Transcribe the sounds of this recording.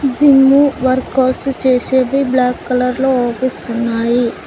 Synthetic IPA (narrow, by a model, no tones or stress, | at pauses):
d͡ʒimːuʋɐɾkːaːsʈt͡ʃeːseːbɐjblaːkːɐlɐɾloːɔːpist̪unːaːji